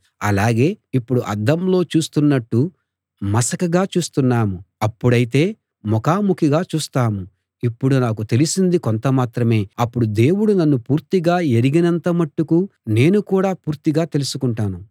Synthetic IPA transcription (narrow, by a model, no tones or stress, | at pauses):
ɐ̰laːɡe̞ːipːuɽuʔɐ̰d̪ɐmlo̞ːt͡ʃuːst̪unːɐʈːu | mɐsɐkɐɡaːt͡ʃuːst̪unːaːmuɐpːuɽɐjit̪̬e̞ː | mɔkaːmukʰiɡaːt͡ʃuːst̪aːmu | ipːuɽunaːkut̪e̞lisind̪ikont̪ɐmaːt̪ɾɐme̞ːɐpːuɽud̪e̞ːwuɽunɐnːupuːɾt̪iɡaːeɾiɡinɐnt̪ɐmɐʈːukune̞ːnukuːɽaːpuːɾt̪iɡaːt̪e̞lusukuɳʈaːnu